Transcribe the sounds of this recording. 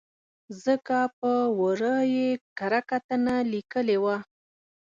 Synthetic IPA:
zəkapəwəɾəjekaɾakat̪ənalikəlewa

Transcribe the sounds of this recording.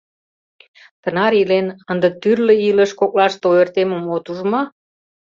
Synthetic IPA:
t̪ənɑɾilenənd̪ə̆t̪yrlə̆iləʃkoklɑʃt̪oert̪eməmot̪uʒmɑ

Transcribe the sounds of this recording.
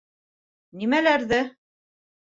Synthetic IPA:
nimælæɾðɘ

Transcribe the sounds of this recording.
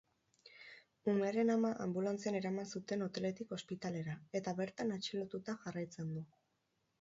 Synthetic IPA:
ume̞aɾe̞namaʔambulant͡siane̞ɾamansut̪e̞not̪e̞le̞t̪iko̞spit̪ale̞ɾae̞t̪aβe̞ɾt̪anat͡ʃilot̪ut̪aʝarajt͡se̞nd̪u

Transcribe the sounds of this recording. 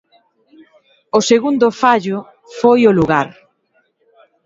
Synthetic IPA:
ʊseɣund̪ʊfaʎʊ | fojʊluɣaɾ

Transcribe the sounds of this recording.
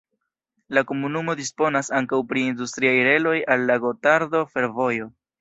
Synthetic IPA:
lako̞munumo̞dispo̞nasaŋkawpɾiːndustɾiajɾe̞lo̞jalːaɡo̞taɾdo̞fe̞ɾvo̞jo̞

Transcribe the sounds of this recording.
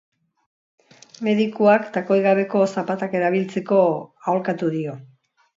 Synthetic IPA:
me̞ðikuakt̪ako̞jɣaβe̞ko̞sapat̪ake̞ɾaβ̞ilt͡se̞ko̞aolkat̪uðio̞

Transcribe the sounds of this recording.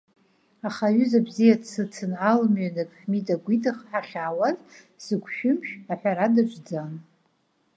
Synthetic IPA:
aχaɥʏzabzijatsɨt͡sʰɨnalmɥanɨkʼħᶣmidʼaɡʷitʰʼɨχħaχʲaːwaz | sɨɡʷʰʃᶣʊmʃaħʷᶣaɾadat͡ʃʷʰʼd͡zan

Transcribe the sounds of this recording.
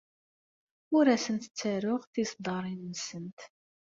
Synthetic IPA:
ʊɾæsənt̪ə̥t͡sːæɾʊʁθisd̪ˤɑɾˤinːsənt̪

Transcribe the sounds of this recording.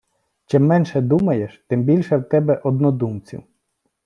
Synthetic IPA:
t͡ʃɪmːɛnʃɛd̪umɐjeʃt̪ɪmbʲilʲʃɛwt̪ɛbɛʔɔd̪nɔd̪umt͡sʲḭw

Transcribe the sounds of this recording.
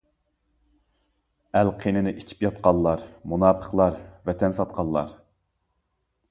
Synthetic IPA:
ælqʰenɪnɪʔi̥t͡ʃʰi̥pjɑt̪̚qɑlˠːɑɾmunɑːpʰə̥χlˠɑɾvɛt̪ʰɛnsɑt̪̚qʰɑlˠːɑ̰ɾ

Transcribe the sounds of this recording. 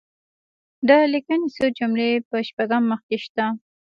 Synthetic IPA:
d̪əlikanisod͡ʒʊmlepəʃpaɡamːəxkeʃt̪a

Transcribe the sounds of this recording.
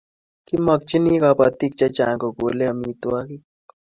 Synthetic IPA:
kimɐk̚t͡ʃinikapɐt̪ik̚t͡ʃat͡ʃãːŋkoɡoːleɐmiːt̪waki

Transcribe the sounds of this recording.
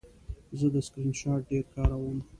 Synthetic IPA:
zəd̪əskɾinʃɑʈ̚ɖeɾkɑɾawəm

